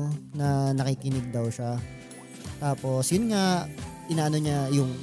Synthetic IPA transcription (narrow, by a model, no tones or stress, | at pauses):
nɐnɐkikɪnɪɡ̚d̪ɐwʃa | t̪aːpo̞sjʊnŋaʔɪnaːʔɐno̞ɲajʊŋ